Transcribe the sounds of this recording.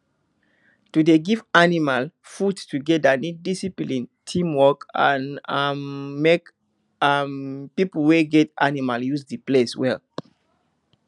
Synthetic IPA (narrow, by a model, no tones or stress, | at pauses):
tudeɡivanimal | fudtuɡɛdanid̚disiplĩntʰĩmwɔkã̰namːek | ampipl̩weɡɛta̰nimaljuzdipleswɛl